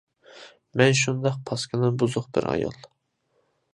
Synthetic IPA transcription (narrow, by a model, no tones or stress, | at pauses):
mɛnʃ̬und̪ɑqpʰɑskʲɨnɨbuzʊqbɪ̰ɾɑ̰jɑ̰lˠ